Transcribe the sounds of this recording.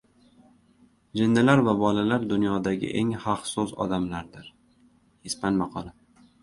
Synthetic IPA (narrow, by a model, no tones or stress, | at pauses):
d͡ʒɪnd̪ɪlaɾvabɒlalaɾd̪ʊnjɒd̪aɡʲɪ̰ʔeŋhɑqsʊzɒ̰d̪amlaɾd̪ɪɾ | hespanmɑqʰɒlˠa